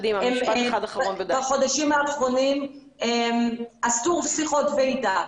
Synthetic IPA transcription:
d̪imemaχad̪aχaonvaχo̞d̪aʃimhaːχʁo̞nim | emastuʁpsiχo̞tveida

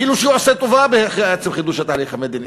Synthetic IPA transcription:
kiːluʃeuaset̪ovabeaχeaet͡semχid̪uʃhat̪aːliχhamed̪ini

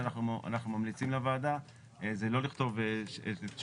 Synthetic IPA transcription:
anaχnuʔa̰naχnumamlit͡simlavaːd̪a | ezelo̞liχt̪o̞veʃeʃ

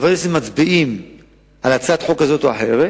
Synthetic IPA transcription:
vaʁimʃemat͡sbiʔim | ʔalat͡sad̪ħo̞kazo̞t̪oa̰ħe̞ʁe

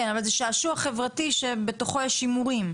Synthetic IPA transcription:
enavalzeʃaːʃuaχevʁatiʃebe̞to̞χo̞jɛʃimuʁim

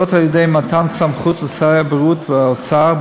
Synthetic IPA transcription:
ot̪haljodejmat̪ansamχut̪vesaʁeabʁut̪veaot͡saʁ

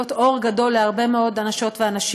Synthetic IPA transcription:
oto̞ʁɡado̞lːeaʁbe̞me̞o̞danaʃo̞tveanaʃ

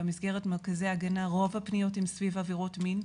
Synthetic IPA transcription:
misɡeʁetmeʁkazejaɡanaʁo̞vapnijo̞timsvivaviʁotmin

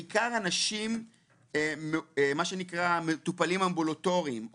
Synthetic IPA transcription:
kaʁanaʃim | emaʃenikʁamet̪upalimambuloto̞ʁiim

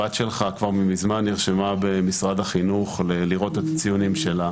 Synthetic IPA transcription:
ad̪ʃe̞lχakvaʁmimizmanːiʁʃemabemisʁad̪aχinuχleliʁo̞t̪e̞t̪ḁt͡sijunimʃe̞la

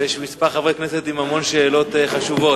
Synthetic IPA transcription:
jeʃmispaʁχavʁekneset̪imamo̞nʃeːlo̞t̪eχaʃuvo̞

